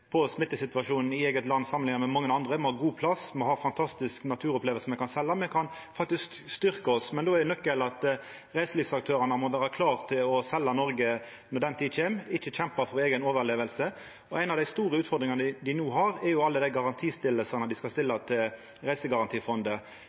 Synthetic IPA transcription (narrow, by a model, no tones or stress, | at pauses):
pʰɔsmɪt̪ːəsɪt̪ʋɑʂuːnn̩ɪeːɡət̪lɑnːsɑmənɪŋːəɾmɛmɑŋːəɑnd̪ʁəmɔhɑːɡuːpʰlɑsmɔhɑːfɑnt̪ʰɑst̪ɪsknɑt̪ʰʉːɾɔpleːʋəlsəmɛkʰɑnsɛlːɑmɛkʰɑn | fɑk̚t̪ɪskst̪ʏɾkəɔsmɛnd̪oːɛɛnœkːəlɑt̪ | ʁæɪsəliːfsɑk̚t̪ʰøːɾɑnəmɔʋæːɾəkʰlɑːʁt̪ʰɪlɔsɛlːɑnɔɾɡə | nɔd̪ɛnt̪ʰiːd̪çeːmɪçːəçɛmpɑfɔɾeːɡənoːʋəleːʋəlsə | ɔæɪnɑʋd̪æɪst̪uːʁəʉːt̪fɔʁd̪ɾɪŋɑnəɪd̪ɪnuːɦɑɾɛɾjʊɑlːəd̪æɪɡɑʁɑnt̪ʰiːst̪ɪlːəsənəd̪ɪskɑst̪ɪlːɑt̪ʰɪl | ʁæɪsəɡɑʁɑnt̪ʰiːfɔnd̪ə